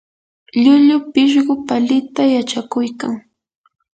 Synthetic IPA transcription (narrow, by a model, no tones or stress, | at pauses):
ʎʊʎʊpɪʃ̬ɢʊpalɪt̪ajat͡ʃakʊjkaŋ